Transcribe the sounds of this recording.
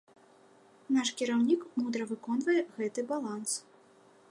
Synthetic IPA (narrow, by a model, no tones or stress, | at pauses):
naʂkʲiɾawnʲikmud̪ɾɐvɨkɔnvɐjɛɣɛt̪ɨbalˠans